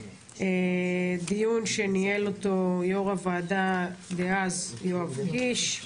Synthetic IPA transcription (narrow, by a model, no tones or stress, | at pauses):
ed̪ijunʃenielot̪ojoʁavaːd̪adeazjoavɡiʃ